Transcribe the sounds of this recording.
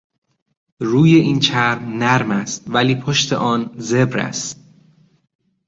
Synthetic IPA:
ruːje̞ʔiːnt͡ʃʰæɾmnæɾmæst̪væliːpʰoʃt̪ʰe̞̰ʔɒːnze̞bɾæ̰st̪

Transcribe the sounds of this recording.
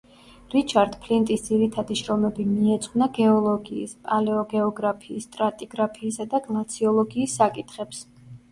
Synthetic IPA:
ɾit͡ʃʰaɾd̪pʰlint̪ʼisd̪ziɾit̪ʰad̪iʃɾɔmɛbimiɛt̪sʼqʼwnaɡɛɔlˠɔɡḭːspʼalɛɔɡɛɔɡɾapʰiːst̪ʼɾat̪ʼiɡɾapʰiːsad̪aɡlˠat̪sʰiɔlˠɔɡiːsːakʼit̪ʰχɛps

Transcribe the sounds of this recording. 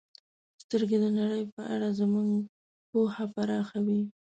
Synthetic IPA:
st̪əɾɡed̪ənaɽəjpəʔa̰ɽazəmuŋɡ | pohapaɾɑxawi

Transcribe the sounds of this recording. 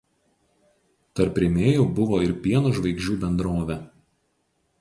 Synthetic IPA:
t̪ɐɾpɾʲemʲeːjuːbʊʋoːɪɾpʲiɛnuːʒʋɐɪɡʒʲuːbʲɛnd̪ɾoːʋʲɛ

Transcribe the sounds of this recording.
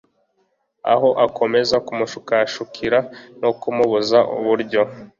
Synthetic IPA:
a̰ɦo̞ʔakʰo̞me̞zakumuʃukaʃukʰiɾanokumuβuzaʔṵβuɾɟo̞

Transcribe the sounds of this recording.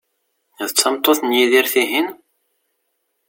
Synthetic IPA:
ðt͡sːɑmt̪ˤoθnjiðiɾθiɦin

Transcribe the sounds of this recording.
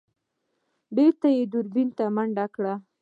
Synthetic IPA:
beɾt̪ajed̪ʊɾbint̪amaɳɖakɽa

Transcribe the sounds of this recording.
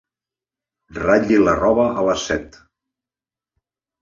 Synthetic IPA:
raʎilərɔβəʔələsɛt̪

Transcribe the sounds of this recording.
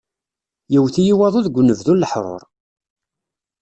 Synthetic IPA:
jəwθijiwɑðˤuðɡʷnːəvðulːəħɾˤo̰ɾˤ

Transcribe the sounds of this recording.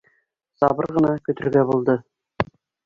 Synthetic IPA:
sɑbɤɾʁɤ̆nɑkɵ̆t̪ɵ̆ɾɡæbulˠd̪ɤ

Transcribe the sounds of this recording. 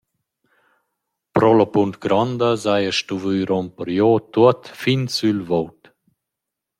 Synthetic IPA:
pɾɔlɔpunt̪ɡɾɔnd̪əzajəʃtuvyɾɔmpəɾjɔt̪uət̪finsylvowt̪

